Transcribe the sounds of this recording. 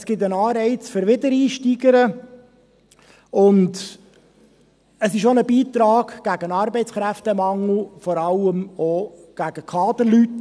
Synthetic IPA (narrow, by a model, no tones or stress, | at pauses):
sɡ̥ɪt̪ənɑːɾɛɪt͡sfʏɾʋɪdəɾiːʃtiɡəɾə | ʊnd | əsɪʃonəbiːt̪ɾɑːɡ̥ɡ̥æɡənɑːɾbɛɪt͡sχɾæftəmɑŋl̩fɔɾɑləmoɡ̥æɡ̥əkʰɑːd̪əɾlyt